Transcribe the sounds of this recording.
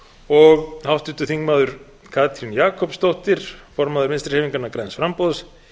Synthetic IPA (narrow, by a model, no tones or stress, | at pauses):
ɔɣhawht̪ʏnt̪ʏθiŋkmaːðʏɾ̥ | kʰaːt̪ʰɾinjaːkʰɔpst̪owht̪ɪɾ̥fɔɾmaːðʏɾmɪnst̪ɾ̥hɛːviŋkanakɾɛjnsfɾampoðs